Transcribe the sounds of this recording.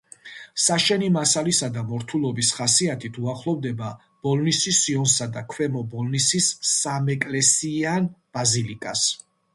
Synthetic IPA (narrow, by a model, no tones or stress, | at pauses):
saʃɛnimasalisad̪amɔɾt̪ʰulˠɔbisχasiat̪ʰit̪ʰuaχlˠɔvd̪ɛba | b̥ɔlˠnisisiɔnsad̪akʰwɛmɔbɔlnisisːamɛkʼlɛsianb̥azilikʼas